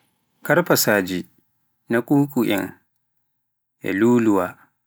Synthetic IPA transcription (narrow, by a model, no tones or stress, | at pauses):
kɐɾpasaːd͡ʒi | nakʼuːkʼuʔɛ̰ŋ | ʔɛ̰luːluwaː